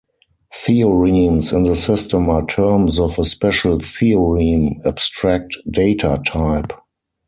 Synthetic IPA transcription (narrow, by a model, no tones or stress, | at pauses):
θiɔɹiːnsɪ̃nðəsɪstə̃matʰɜ˞ms̬ɔfəspɛʃəlθiɔɹinabstɹæk̚td̥eɪtʰatʰaɪp